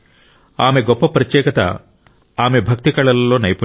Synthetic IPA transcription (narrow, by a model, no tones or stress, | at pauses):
aːmeɡɔpːɐpɾɐt̪jɛːkɐt̪ɐ̰ | aːme̞bʱɐk̚t̪iɡɐɭɐlːoːnɐjpu